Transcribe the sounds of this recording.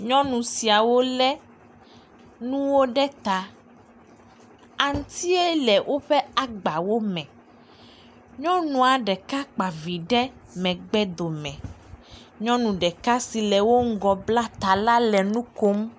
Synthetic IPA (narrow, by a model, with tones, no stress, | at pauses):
ɲɔ̃˦nũ˨si˨a˨wo˦lɛ˦ | nũ˦wo˦ɖɛ˦t̪a˨ | a˨ŋ̩˦t̪i˦e˦lɛ˨wʔo˦ɸɛ˦a˨ɡ͡ba˨wo˦mɛ̃˨ | ɲɔ̃˦nũ˦a˨ɖɛ˨ka˦k͡pa˨vi˨ɖɛ˦mɛ̃˨ɡ͡bɛ˦d̪o˨mɛ̃˨ | ɲɔ̃˦nũ˨ɖɛ˨ka˦si˨lɛ˨wo˦ŋ̩˦ɡɔ˨bla˦t̪a˨la˦lɛ˨nũ˦ko˦m